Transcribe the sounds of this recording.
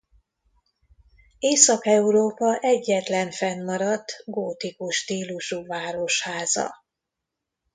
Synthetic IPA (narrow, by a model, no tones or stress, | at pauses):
eːsɒkɛuɾoːpɒʔɛɟːɛt̪lɛɱfɛnːɒɾɒd̪ɡoːt̪ikuʃt̪iːluʃuvaːɾo̞ʃhaːzɒ̰